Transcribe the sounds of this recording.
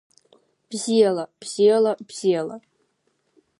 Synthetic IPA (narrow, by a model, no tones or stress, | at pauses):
b̥zijɛlˠɐb̥z̥iɛlɐb̥z̥iɛlɐ